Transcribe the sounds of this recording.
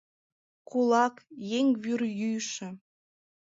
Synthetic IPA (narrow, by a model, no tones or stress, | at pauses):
kulɑkjeŋβyrjyjʃə̆